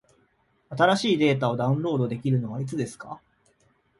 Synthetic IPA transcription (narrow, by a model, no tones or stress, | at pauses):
at̪aɾaɕiːd̪e̞ːt̪̬ao̞d̪aɯ̟̃ɾo̞ːd̪o̞d̪e̞kʲiɾɯ̟no̞βait͡sɨd̪e̞sɨ̥ka̰